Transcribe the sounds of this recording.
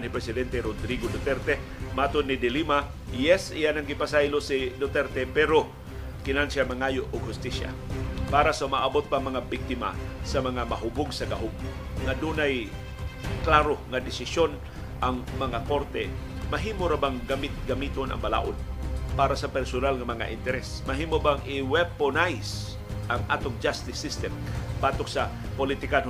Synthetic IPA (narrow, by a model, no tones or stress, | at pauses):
nhɪpɾɛsɪd̪ɛnt̪ɛɾod̪ɾiɡod̪ot̪ɛɾt̪ɛ | mat̪od̪nɪd̪ɪlima | jɛsɪ̰janɐŋɡɪpasajlosɪd̪ot̪ɛɾt̪ɛpɛɾo | kɪnansjamɐŋaːjoʔoɡ̚hʊst̪isja̰paːɾasɐʊmaʔabot̪̚paŋmɐŋabɪk̚t̪ɪma̰sɐmɐŋamɐɦʊbʊɡsɐɡaɦob̚ŋad̪uːnaj | klaːɾoŋad̪ɪsɪsjon | ʔaŋmɐŋako̞ɾt̪ɛ̰ | mɐɦiːmoɾabaŋɡamɪt̪̚ɡɐmiːt̪onɐ̰ŋbɐla̰ːʔonpaːɾasɐpɛɾsʊnalŋɐmɐŋa̰ʔɪnt̪ɛɾɛsmɐɦiːmobaŋɪwɛponajs | ʔaŋʔa̰ːt̪oŋd͡ʒast̪ɪsːɪst̪ɛmbaːt̪ok̚sɐ | polit̪ɪkan